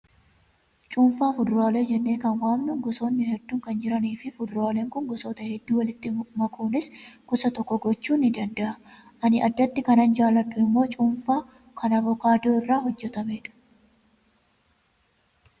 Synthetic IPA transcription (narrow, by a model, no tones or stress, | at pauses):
t͡ʃʼuːɱfaːfʊd̪ɾʊaːleːd͡ʒɛnːeːkɐnwaːmnʊŋɡɔsoːnːɪhɛd̪ːuːŋkɐnd͡ʒɪɾɐniːfɪfʊd̪ɾaːleːŋkʊŋɡɔsoːt̪ɐhɛd̪ːuːwɐlɪt̪ːɪmɐkʰoːnɪskʊsɐt̪ɔkːɔɡɔt͡ʃːuːnːɪd̪ɐnd̪ɐʔɐ | ʔɐnɪʔɐd̪ːɐt̪ːɪkɐnɐnd͡ʒaːlːɐᶑːʊɪmːo̞ːt͡ʃʼuːnfaː | kʰɐnɐbɔkaːd̪ɪoːɪrːaːhɔd͡ʒːɛt̪ɐmeːᶑʊ̥